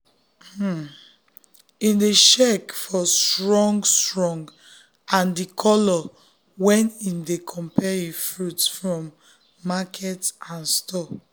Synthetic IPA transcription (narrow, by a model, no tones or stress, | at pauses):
ĩndeʃɛkfɔstɹɔ̃ŋɡstɹɔ̃ŋɡ | ãndikʰɔlɔ | wɛ̃nĩndekʰɔ̃mpɛifɹutfɹɔ̃mː | akʰɛtãnstɔ